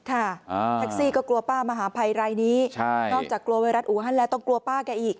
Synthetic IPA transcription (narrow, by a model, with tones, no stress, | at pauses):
kʰa˥˩t̪ʰa˦˥k̚siː˥˩kɔː˥˩klu˧ɐpaː˥˩ma˧ɦaː˩˦pʰa˧jɾaː˧jniː˦˥t͡ɕʰa˥˩jnɔː˥˩k̚t͡ɕaː˨˩kːlu˧ɐwa˧jɾa˦˥t̪ʔuː˨˩˦ɦa˥˩nlɛː˦˥wt̪ɔ˥˩ŋklu˧ɐpaː˥˩ka˧nʔiː˨˩k̚